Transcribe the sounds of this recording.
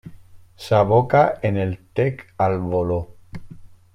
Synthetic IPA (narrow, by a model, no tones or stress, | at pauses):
saβokaenelt̪ekalβolo